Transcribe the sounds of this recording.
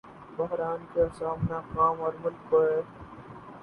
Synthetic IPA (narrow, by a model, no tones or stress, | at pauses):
bɐɦɾaːnkeːsaːmnaːkaːmoːɾmʊlk̚bɐeː